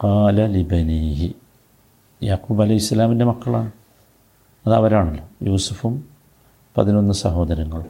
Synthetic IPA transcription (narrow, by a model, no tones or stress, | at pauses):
qɑːlɐlibɐniːhi | jaːquːbɐlɐjhisːɐlaːminde̞mɐkːɐɭa̰ːɳɨ | ɐðɐʋɐɾaːɳɐlːojuːsufum | pɐðino̞nːɨsɐɦo̞ːd̪ɐɾɐŋːɐɭ